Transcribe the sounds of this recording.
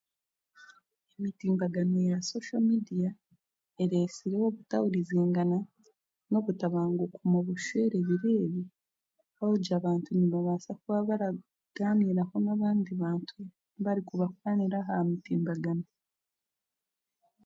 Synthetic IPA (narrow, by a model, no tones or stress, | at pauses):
emitiːmbaɡanoejasoʃamidija | e̞ɾesiɾewo̞βutawuɾizeːŋɡana | no̞βutaβaːŋɡukumuβuʃeːɾe̞βiɾe̞ːβi | aoɟaβaːntuniβoβaːsakuβaβaɾa | ɡ̥amiɾaho̞naβaːndiβaːntʰu | βaɾikuβakwaniɾaɦamitiːmbaɡano